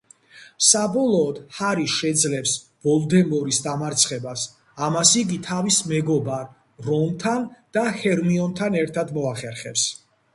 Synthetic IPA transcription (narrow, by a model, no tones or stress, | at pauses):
sabɔlˠɔːd̪̥haɾiʃɛd̪zlɛps | vɔlˠd̪ɛmɔɾisd̪amaɾt̪sʰχɛbas | amasiɡit̪ʰavismɛɡɔbaɾ | ɾɔmt̪ʰand̪̥ahɛɾmiɔnt̪ʰanɛɾt̪ʰad̪mɔaχɛɾχɛps